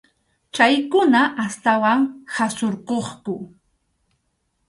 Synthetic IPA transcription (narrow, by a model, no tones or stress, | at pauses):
t͡ʃajkʊnaʔast̪awaŋhasoɾqoχkʊ